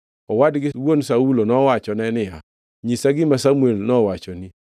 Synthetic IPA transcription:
ɔwadɡɪwonsaulonɔwat͡ʃɔnɛnɪja | ɲisaɡɪmasamuelnɔwat͡ʃɔni

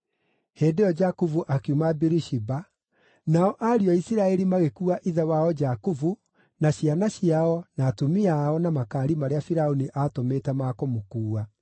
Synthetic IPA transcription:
heːdeɔd͡ʒakuvuʔakeumabiɾiʃiba | naɔʔaɾiɔisiɾaɛɾimaɣekuaʔiðɛwaɔd͡ʒakuvu | naɕjanaɕiaɔnaːtumiaɔnamakaːɾimaɾeafiɾaoniʔatometamakomokuːa

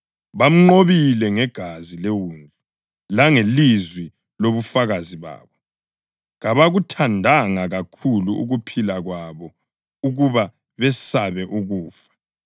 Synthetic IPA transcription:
βam̩ŋ͡ǃoβilɛŋɛɡ̥ʱazilewuːnd͡ɮʱi | laŋelizwi | loβufaɣaziβa̰ːβɔ | ɣaβaɣutʰandʱaŋaɣakʰuluṵɣupʰilaɣwaβɔ | uɣuβa | βɛsaβɛʔuɣuːfḁ

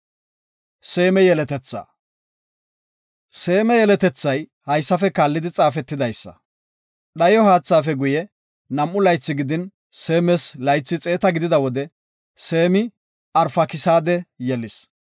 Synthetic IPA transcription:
se̞ːmɛjɛlɛt̪ɛt͡sːa̰ː | se̞ːmɛjɛlɛt̪ɛt͡sːɐjhɐjsːɐfɛkaːlːɪd̪ɪt͡sʼaːfɛt̪ːɪd̪ɐjsːɐ̰ | ɗɐjɔɦaːt͡sːaːfɛɡʊjɛ | nɐmːʊlɐjt͡sːɪɡɪd̪ɪn | seːmɛslɐjt͡sːɪt͡sʼe̞ːt̪ɐɡɪd̪ɪd̪ɐwɔd̪ɛ | se̞ːmɪ | ɐɾfɐkɪsaːd̪ɛjɛlːɪs

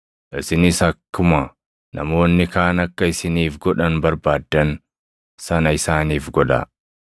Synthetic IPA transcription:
ʔɪsɪnɪsɐkːʊmɐ | nʔɐ̰mo̞ːnːɪkaːnɐkːɐɪsɪniːfɡɔᶑɐnbɐɾbaːd̪ːɐn | sɐnɐɪsaːniːfɡɔᶑɐ̰

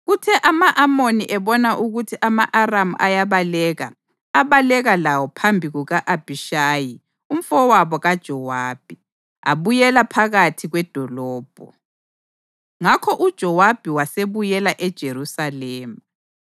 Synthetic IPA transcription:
ɣutʰɛʔamaʔamoniʔɛβɔnaʔuɣutʰiʔamaʔaramuʔajaβalɛɣa̰ | aβalɛɣalawɔpʰambʱiɣuɣaʔab̥ʱiʃaːji | um̩fɔwaβɔɣad̥ʒ̥ʱɔwaːb̥ʱi | a̰βujɛlapʰaɣatʰiɣwɛd̥ʱɔlɔːb̥ʱɔ | ŋakʰɔʔud̥ʒ̥ʱɔwab̥ʱiwaseβujɛlaʔɛd̥ʒ̥ʱeɾusalɛːma

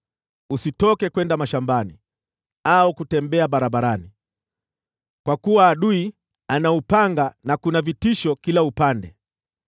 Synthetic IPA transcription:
usitɔkɛkwɛndamaʃambani | aukutɛmbɛaɓaɾaɓaɾani | kwakuwaːɗui | anaupaŋɡanakunavitiʃɔkilaupandɛ

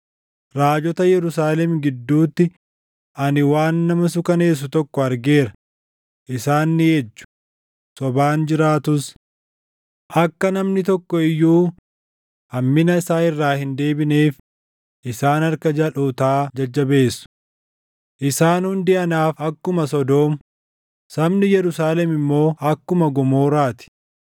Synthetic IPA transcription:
ɾaːd͡ʒɔt̪ɐjɛɾʊsaːlɛmɡɪd̪ːuːt̪ːɪ | ʔɐnɪwaːnːɐmɐs̬ʊkɐne̞ːs̬ːʊt̪ɔkːɔɐɾɡe̞ːɾɐ | ʔɪsaːnːɪjɛd͡ʒːʊ̥ | sɔbaːnd͡ʒɪɾaːt̪ʊs | ʔɐkːɐnɐmnɪt̪ɔkːɔɪjːuː | ʔɐmːɪnɐɪsaːɪrːaːhɪnd̪e̞ːbɪneːf | ʔɪsaːnɐɾkɐd͡ʒɐloːt̪aːd͡ʒɐd͡ʒːɐbe̞ːsːʊ̥ | ʔɪsaːnhʊnd̪ɪʔɐnaːfɐkːʊmɐsɔd̪o̞ːmʊ | sɐbnɪjɛɾʊsaːlɛmɪmːo̞ːʔɐkːʊmɐɡɔmo̞ːɾaːt̪ɪ̥

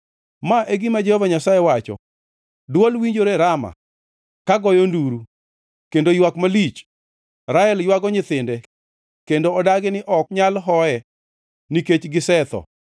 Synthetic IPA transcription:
maʔeɡimad͡ʒɛhovaɲasajɛwat͡ʃɔ̰ | dwolwiɲd͡ʒoɾeɾama̰ | kaɡɔjonduɾu | kendojwakmalit͡ʃ | ɾaɛljwaɡɔɲɪt̪ɪndɛ | kendoːdaɡɪnɪʔɔk̚ɲalɦɔɛ | niket͡ʃɡɪsɛt̪ɔ̰

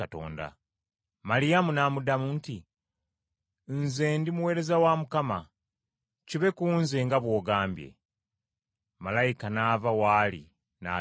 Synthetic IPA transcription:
ato̞̰ːnda̰ | malijamunamudamunti | nze̞ːndimuwe̞ːɾe̞zawamukama | ciβe̞kuːnze̞ŋɡaβwo̞ːɡaːmbje̞̰ | malajikanaːvawalḭ | na̰

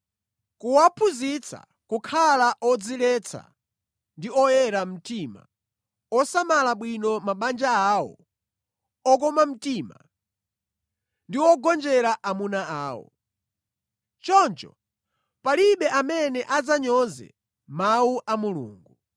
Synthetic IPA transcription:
kuwapʰuzit͡sʰa̰ | kukʰalaʔɔd͡zilɛt͡sʰa̰ | ndiɔjɛɾam̩tima̰ | ɔsamalaɓwinɔmaɓand͡ʒaaːwɔ̰ | ɔk̬ɔmam̩tima̰ | ndiwɔɡɔnd͡ʒɛɾaʔamunaaːwɔ̰ | t͡ʃɔnt͡ʃɔ | paliɓɛamɛnɛʔad͡zaɲɔzɛ̰ | mawuʔamulṵːŋɡu

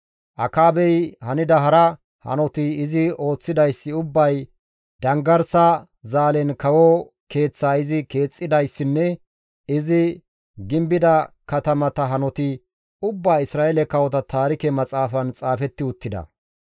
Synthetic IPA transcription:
ʔɐkaːbɛjhɐnɪd̪ɐɦɐɾɐ | hɐ̰nɔt̪ɪɪzɪo̞ːt͡sːɪd̪ɐjsːɪʊbːɐj | d̪ɐŋɡɐɾsɐ | zaːlɛnkɐwɔ | ke̞ːt͡sːaːɪzɪke̞ːt͡sʼːɪd̪ɐjsːɪnːɛ | ɪzɪ | ɡɪmbɪd̪ɐkɐt̪ɐmɐt̪ɐɦɐnɔt̪ɪ | ʊbːaːɪsɾaːjelɛkɐwɔt̪ɐt̪ʰaːɾɪkɛmɐt͡sʼaːfɐnt͡sʼaːfɛt̪ːɪʊt̪ːɪd̪ɐ̰

